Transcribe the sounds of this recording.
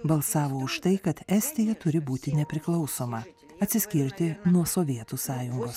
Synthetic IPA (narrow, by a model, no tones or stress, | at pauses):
bɐlˠsɑːʋoːʊʃt̪ɐɪkɐt̪ɛsʲt̪ʲɪjɛt̪ʊɾʲɪbuːt̪ʲɪnʲɛpʲɾʲɪklˠɐʊsoːmɐ | ɐt̪ʲsʲɪsʲkʲɪɾʲt̪ʲɪnuɔsoːʋʲiɛt̪usɑːjʊŋɡoːs